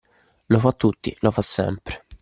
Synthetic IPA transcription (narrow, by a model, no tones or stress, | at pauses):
lofat̪ːut̪ːḭlofasːɛ̰mpɾe̥